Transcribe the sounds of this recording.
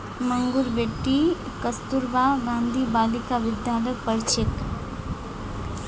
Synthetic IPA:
məŋɡuɾbeʈːi | kəst̪uɾbaɡãːnd̪ʱibaːlikaʋɪd̪jaːləpəɾt͡ʃek

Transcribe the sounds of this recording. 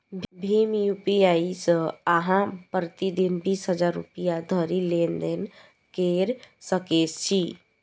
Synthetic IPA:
bʱimjupiaːisaɦãpɾət̪id̪inbiːsɦəd͡ʒaːɾːṵpijad̪ʱəɾilend̪en | keːɾsəkest͡ʃʰi

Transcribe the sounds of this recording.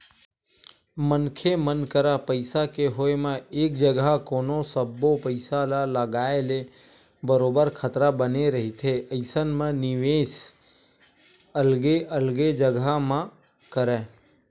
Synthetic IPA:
mənkʰemənkəɾapəɪsakeɦoːemãeːk̚d͡ʒəɡakoːnosəbːopəɪsalaləɡaːele | bəɾoːbəɾkʰət̪ɾabəneɾəɦit̪ʰeəɪsənmẽnɪʋeːs | əlɡeʔəlɡed͡ʒəɡamã | kəɾɛ̃ː

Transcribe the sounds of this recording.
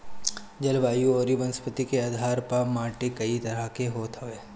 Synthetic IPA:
d͡ʒɐlʋaːjuoːɾibənspət̪ikeaːd̪ʱaːɾpamaːʈikɐit̪ɐɾəkeɦoːt̪ɦɐeː

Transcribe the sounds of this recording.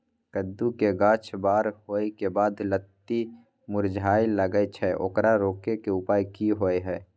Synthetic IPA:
kəd̪ːukeɡãːt͡ʃʰbaːɾɦoːekebaːd̪lət̪ːi | mʊɾd͡ʒʱaːiləɡəet͡ʃʰɛʔo̰kɾaɾoːkekeʊpaːikiɦoːeɦɛː

